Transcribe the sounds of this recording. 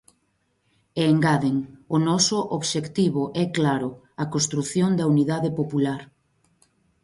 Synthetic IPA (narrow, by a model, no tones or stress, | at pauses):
eːŋɡaðeŋonɔsʊʔoβʃekt̪iβʊʔɛklaɾʊ | ɐkost̪ɾuθjoŋd̪ɐuniðaðepopulaɾ